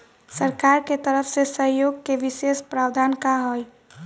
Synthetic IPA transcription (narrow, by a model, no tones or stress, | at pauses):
səɾkaɾket̪əɾəpʰsesəɦjoɡ̚keʋisespɾaːwd̪ʱaːnkaɦoj